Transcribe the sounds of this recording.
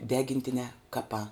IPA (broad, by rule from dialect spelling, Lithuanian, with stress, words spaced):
ˈdʲæːɡʲɪnʲtʲɪnʲɛː ˈkɑːpɑː